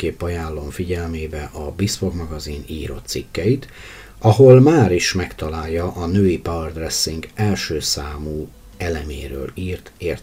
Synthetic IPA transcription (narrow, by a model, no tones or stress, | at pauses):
eːpːɒjaːlːo̞ɱfiɟɛlmeːbɛʔɒbisfoɡmɒɡɒzinḭːɾo̰t̪sikːɛjit̪ | ɒɦo̞lmaːɾiʃmɛkt̪ɒlaːjːɒʔɒnøːipɒrd̪rɛsːiŋɡɛlʃøːsaːmuː | ɛlɛmḛːɾø̰ːliːrt̪eːr